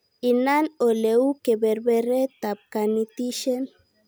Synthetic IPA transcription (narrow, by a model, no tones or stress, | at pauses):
inanoleukebeɾbeɾet̪ap̚kanit̪iʃen